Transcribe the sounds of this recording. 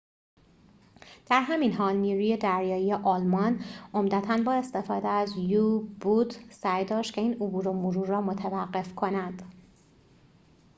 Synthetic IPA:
d̪̥æɾɦæminɦɒːlniːɾuje̞d̪æɾjɒːijeʔɒːlmɒno̞md̪æt̪ʰænbɒːe̞st̪e̞fɒːd̪eæzjuːbud̪sæjd̪ɒːʃt̪cʰʲe̞iːnobuːɾo̞moɾuːɾːɒːmot̪ʰævæɢːe̞fkʰo̞nænd̪̥

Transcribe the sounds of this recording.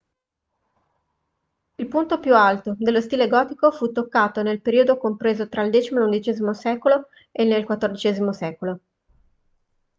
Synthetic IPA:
ilpunt̪opjualt̪od̪elːost̪iːleɡɔːt̪ikofut̪ːokːaːt̪onelpeɾiːod̪okompɾeːzot̪ɾaild̪ɛːt͡ʃimolund̪it͡ʃeːzimosɛːkolo | enelkwat̪ːord̪it͡ʃɛːzimosɛːkolo

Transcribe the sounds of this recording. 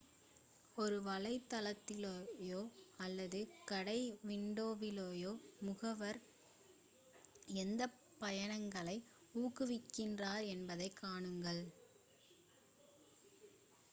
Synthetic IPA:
ɔɾɯʋɐɭɐɪt̪ːɐlɐt̪ːɪloːjoːɐlːɐðɯkɐɽɐɪʋɪɳɖoːʋɪloːjoːmʊɣɐʋɐɾ | ɛnd̪ɐ | pɐjɐɳɐŋɡɐɭɐɪ | uːkːɯʋɪkːɪndraːɾɛnbɐðɐɪkʰːaːɳɯŋɡɐɭ

